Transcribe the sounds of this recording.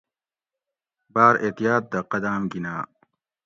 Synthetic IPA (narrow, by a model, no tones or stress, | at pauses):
baːɾeːt̪ijaːt̪̚d̪ɐqɐd̪aːmɡinaː